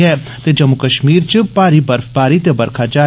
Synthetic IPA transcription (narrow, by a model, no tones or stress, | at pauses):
ɦɛː | t̪ed͡ʒɐmʊkəʃmiːɾt͡ʃəpaːɾibəɾfpaːɾit̪ebɐɾkʰaːd͡ʒaː